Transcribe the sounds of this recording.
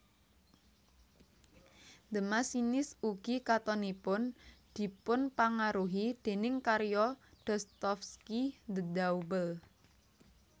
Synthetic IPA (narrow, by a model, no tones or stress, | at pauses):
nd̪əmasinɪsuɡ̥ikat̪ɔnipʊnd̪̥i̤pʊnpaŋaɾuɦid̪̥e̤nɪŋkaɾjɔd̪̥ɔst̪ɔfskid̪əd̪aubəl